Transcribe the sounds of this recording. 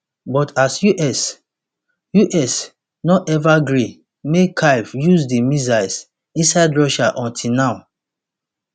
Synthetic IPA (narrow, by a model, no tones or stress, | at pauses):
bɔtʰasjuʔɛs | juʔɛs | nɔɛvaɡɹi | mekʰaɪvjuzdimizaɪs | ĩnsaɪdɹɔʃaʔɔ̃ntʰinãʊ̃n